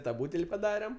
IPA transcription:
tɐ ˈbuːtʲɛlʲ pɐˈdɑːrʲɛm

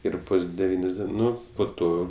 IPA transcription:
ˈɪr ˈbʊs dʲɛˈʋʲiːnʲoːs ˈdʲiɛn ˈnʊ poː ˈtoː

